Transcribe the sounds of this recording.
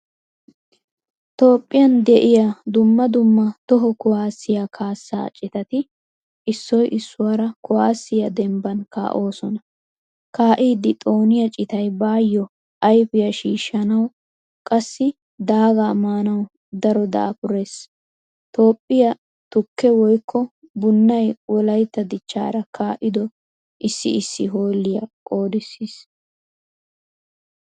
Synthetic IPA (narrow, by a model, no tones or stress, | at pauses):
t̪o̞ːpʼːɪjɐnd̪ɛʔɪjad̪ʊmːɐd̪ʊmːɐt̪ɔɦɔkʊwaːsːɪjaːkʰaːsːa̰ːt͡ʃʼɪt̪ɐt̪ɪ | ʔɪsːɔjʔɪsːʊwaːɾɐkʊwaːsːɪjɐd̪ɛmbɐnka̰ːʔo̞ːsɔnɐ | kaːʔiːd̪ɪt̪ʼo̞ːnɪjɐt͡ʃʼɪt̪ɐjbaːjːɔ | ʔɐjpɪjɐʃiːʃːɐnɐw | kʼɐsːɪ | d̪aːɡamaːnɐw | d̪ɐɾɔd̪ɐ̰ːpʊɾe̞ːs | t̪o̞ːpʼːɪjɐ | t̪ʊkːɛwɔjkʰːɔ | bʊnːɐjwɔlɐjt̪ːɐd̪ɪt͡ʃːa̰ːɾɐkʰaːʔɪd̪ɔ | ʔɪsːɪ̰ɪsːɪɦo̞ːlːɪjɐ̰kʼo̞ːd̪ɪsːiːs